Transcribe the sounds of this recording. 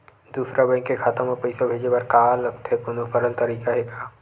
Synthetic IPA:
d̪uːsɾabɛ̃ːŋkːekʰaːt̪ə̃mopɐɪsobʱeːd͡ʒebɐɾkaːlɐɡt̪ɦɛkʊnofəɾəlt̪ɐɾiːkaɦɛkaː

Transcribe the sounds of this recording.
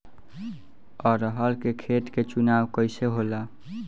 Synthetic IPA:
ɔɾəɦəlkekʰeʈket͡ʃunawkəjseɦola

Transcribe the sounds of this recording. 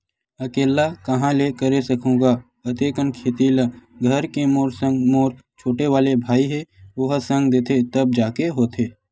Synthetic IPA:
ɐkeːlakɐɦãlekəɾesəkʰũːɡa | ɐt̪eːkənkʰeːt̪iːlɡʱəɾkemoːɾsə̃ŋɡmoːɾ | t͡ʃʰoːʈeʋaːlebʱaːiɦɛʋoɦsə̃ŋɡd̪eːt̪ʰet̪əb̚d͡ʒaːkeɦoːt̪ʰeː

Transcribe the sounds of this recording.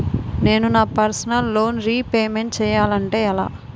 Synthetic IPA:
ne̞ːnunaːpɐɾsɐnɐlːo̞ːnɾiːpeːmeɳʈt͡ʃɛːjaːlɐɳʈe̞ːɐla̰ː

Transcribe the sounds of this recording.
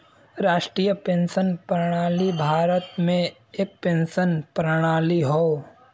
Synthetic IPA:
ɾaːʃʈɾiːjəpẽːnʃənpɾəɽ̃aːlibʱaːɾət̪mẽ | eːk̚pẽːnʃənpɾəɽ̃aːliɦoː

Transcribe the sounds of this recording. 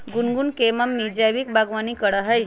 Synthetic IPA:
ɡunɡunkeməmːid͡ʒajʋik̚baɡʋanikəɽaɦəj

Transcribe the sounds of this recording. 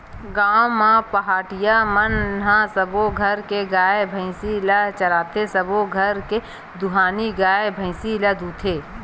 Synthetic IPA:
ɡaːmãpəɦaːʈɪjamənɦãsəboɡʱɐɾkeɡaːebʱə̃ɪsilat͡ʃɐlaːt̪ʰesəboɡʱəɾke | d̪ʊɦaːniɡaːebʱə̃ɪsilɐd̪uːt̪ʰeː

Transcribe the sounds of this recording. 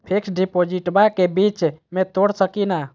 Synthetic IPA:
pʰiksɖipod͡ʒiʈbakebit͡ʃmet̪oɽsəkina

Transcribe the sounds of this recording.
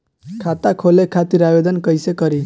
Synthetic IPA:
kʰat̪akʰolekʰat̪iɾabed̪ənkəjsekʌɾi

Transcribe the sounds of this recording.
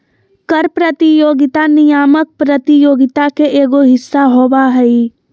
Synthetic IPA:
kəɾpɾət̪ijoːɡɪt̪anɪjaːmək̚pɾət̪ijoːɡɪt̪akeʔeːɡoɦɪsːaɦoːʋaɦɛi

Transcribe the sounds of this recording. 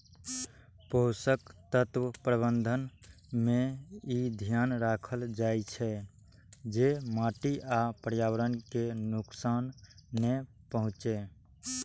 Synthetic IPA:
poʊsəkt̪ət̪wəpɾəβənd̪ʱən | mẽid̪ʱjanɾakʰəld͡ʒajt͡ʃʰɛ | d͡ʒemaʈiapəɾjawəɾənkenuksaːnːe | pəɦũt͡ʃe

